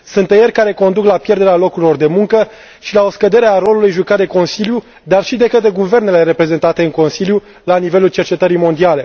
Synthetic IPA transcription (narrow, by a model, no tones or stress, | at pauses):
sunt̪ejerʲkaɾe̞ko̞nd̪uklapje̞rd̪e̞ɾealo̞kuɾilo̞rd̪e̞muŋkə | ʃilao̞skəd̪e̞ɾeaɾo̞lulujʒukat̪d̪e̞ko̞nsilju | d̪arʃid̪e̞kət̪ɾe̞ɡuve̞rnele̞ɾe̞pɾe̞ze̞nt̪at̪e̞ɨŋko̞nsilju | lanive̞lult͡ʃe̞rt͡ʃe̞t̪əɾijmo̞nd̪iale̞